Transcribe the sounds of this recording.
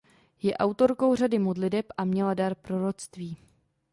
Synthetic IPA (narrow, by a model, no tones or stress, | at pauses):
jɛʔawt̪o̞ɾko̞wr̝adɪmo̞dlɪdɛpʔamɲɛladaɾpɾo̞ɾo̞t͡st̪viː